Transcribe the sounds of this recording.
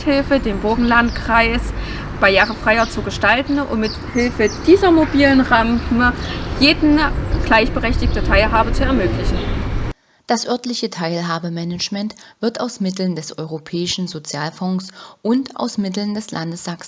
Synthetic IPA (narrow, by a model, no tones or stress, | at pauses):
hɪlfədeːnbʊɐɡŋ̩lantkʁ̥aɪs | b̥aɪjaːʁəfʁ̥aɪɐt͡suɡəʃtaltn̩ʊ̰mmɪt | hɪlfəd̥iːzɐmobiːlənʁampməjeːdn̩ɡ̥laɪçb̥əʁɛçtɪktətʰaɪlɦaːbət͡suɛɐmøːklɪçn̩ | d̥asʔœɐtlɪçətʰaɪlɦaːbəmɛnət͡ʃmɛntv̥ɪɐtaʊsmɪtl̩ndɛsʔɔʏʁopʰɛːɪʃn̩zot͡sjaːlfɔŋsʔʊntʔa̰ʊsmɪtl̩ndɛslʔandəsz̥aks